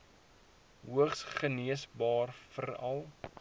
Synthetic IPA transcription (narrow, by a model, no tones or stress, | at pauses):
ɦuəχsχəniəsbɑːrfəɾɐlˠ